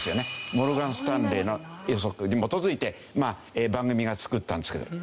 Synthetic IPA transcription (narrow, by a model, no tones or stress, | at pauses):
sɨjo̞ne̞mo̞ɾɯ̟ɡãɰ̃sɨ̥t̪ãnɾe̞ːno̞josokɯɲimo̞t̪o̞zɨit̪e̞ | maːeːbãŋɡɯ̟mʲiɡat͡sɨ̥kɯ̟t̪ːã̰nd̪esɨkeo̰